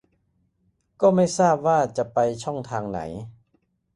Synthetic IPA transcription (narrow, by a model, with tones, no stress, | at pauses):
kɔː˥˩ma˥˩jsaː˥˩p̚waː˥˩t͡ɕa˨˩pa˧jt͡ɕʰɔ˥˩ŋt̪ʰaː˧ŋna̰˩˦j